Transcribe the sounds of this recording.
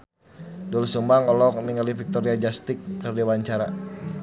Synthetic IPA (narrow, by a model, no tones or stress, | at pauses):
dulsumbaŋɔlɔk̚miŋalifik̚t̪ɔɾiad͡ʒast̪ikːərdiawaɲt͡ʃaɾa